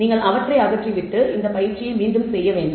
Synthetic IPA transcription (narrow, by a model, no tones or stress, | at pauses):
niːŋɡɐɭʔɐʋɐʈrɐɪɐɣɐʈriʋɪʈːɯʔɪnd̪ɐpɐjɪɾt͡ʃːɪjɐɪmiːnd̪ɯmsɛjːɐʋeːɳɖɯ